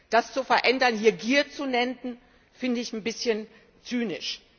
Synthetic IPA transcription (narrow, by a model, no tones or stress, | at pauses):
d̥ast͡sufɛɐʔɛndɐnhiːɐɡiːɐt͡sunɛndn̩ | fɪndəɪçn̩bɪsçən | t͡syːnɪʃ